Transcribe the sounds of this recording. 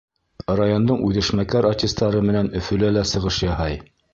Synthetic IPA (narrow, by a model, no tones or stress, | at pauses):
rajond̪ɤɴʉðɘ̆ʃmækæɾartʲist̪ɑɾɤmɘ̆nænɵ̆fɵ̆lælæsɤ̆ʁɤʃjɑhɑj